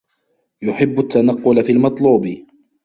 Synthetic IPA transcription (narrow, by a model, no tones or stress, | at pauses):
jʊħɪbːʊt̪ːanɑqːʊlafiːlmɑt̪ˤluːbɪ